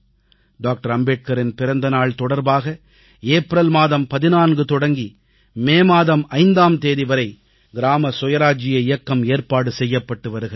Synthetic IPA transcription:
ɖaːk̚ʈɐɾɐmbeːʈ̚kɐɾɪnpɪɾɐnd̪ɐnaːɭt̪ɔɽɐɾbaːɣɐ | eːpɾɐlmaːðɐmpɐðɪnaːnɡɯt̪ɔɽɐŋɡi | meːmaːðɐmɐɪnd̪aːmt̪eːðiʋɐɾɐɪ | ɡɪɾaːmɐsɔjɐɾaːd͡ʒɪjɐɪjɐkːɐmeːɾpaːɽɯsɛjːɐpːɐʈːɯʋɐɾɯɣɐ

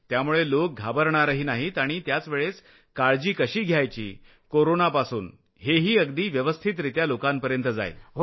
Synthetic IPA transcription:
t̪jamuɭelok̚ɡʱabəɾɳaɾəɦiːnaɦit̪aɽ̃it̪jat͡sʋeɭes | kaɭd͡ʑiːkəɕiːɡʱjajt͡ɕḭː | koɾonapasuːn | ɦeɦiːəɡd̪iːʋjəʋəst̪ʰit̪ɾit̪jalokãmpəɾjənt̪əd͡za̰j

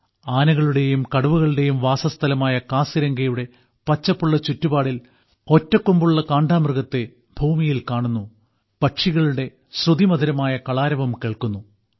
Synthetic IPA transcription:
aːnɐɣɐɭuɽe̞jumkɐɽɐʋuɣɐɭuɽe̞jumʋaːsɐst̪ʰɐlɐmaːjɐkaːsiɾɐŋɡɐjuɽe̞ | pɐt͡ɕːɐpːuɭːɐt͡ɕutːubaːɽil | o̞tːɐkːumbuɭːɐkaːɳɖaːmrɣɐt̪ːe | bʱuːmijilkaːɳunːu | pɐʈʂiɣɐɭuɽe̞ | ɕrud̪imɐd̪ʱiɾɐmaːjɐkɐɭaːɾɐʋɐmkeːɭkunːu

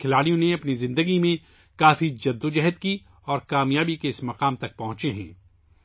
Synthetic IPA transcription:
kʰɪlaːɽijõneɐpnizɪ̃nd̪əɡimẽ | kaːfid͡ʒɐd̪ːod͡ʒɛɦət̪ki | ɔːɾkaːmjaːbikeɪsmɐqaːmt̪ɐk̚pɐɦʊ̃t͡ʃeɦɛ̰̃ː

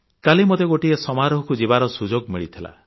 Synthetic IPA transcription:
kalimot̪eɡoʈiesɔmaɾɔɦɔkud͡ʒibaɾɔsud͡ʒoɡmiɭit̪ʰila̰

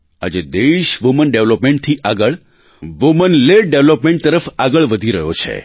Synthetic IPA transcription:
a̰d͡ʒed̪eʃʋumənɖeʋlopmẽɳʈ̚t̪ʰiʔaɡəɭ | ʋumənleɖeʋlopmẽɳʈ̚t̪əɾəfaɡəɭʋəd̪ʱiɾəɦot͡ʃʰḛ

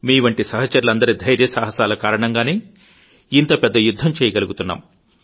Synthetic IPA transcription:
miːʋɐɳʈisɐɦɐt͡ʃɐɾulɐnd̪ɐɾid̪ʱɐjɾjɐsaːɦɐsaːlɐkaːɾɐɳɐŋɡaːne̞ː | int̪ɐpɛd̪ːɐjud̪ʱːɐmt͡ʃɛːjɐɡɐluɡut̪unːa̰ːm

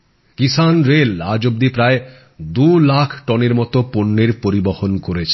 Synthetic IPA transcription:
kisanɾelad͡ʑob̚d̪ipɾae | d̪ulakʰʈɔneɾmɔt̪oponːeɾpoɾibohonkoɾet͡ɕʰ

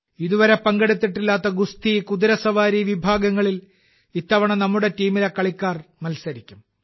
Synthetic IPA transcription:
iðuʋɐɾepɐŋɡeɽit̪̬ːiʈːilːaːt̪ːɐɡust̪ikuðiɾɐsɐʋaːɾiʋibʱaːɡɐŋːɐɭil | it̪ːɐʋɐɳɐnɐmːuɽe̞tiːmilekːɐɭikʲːaːrmɐlsɐɾikʲːum

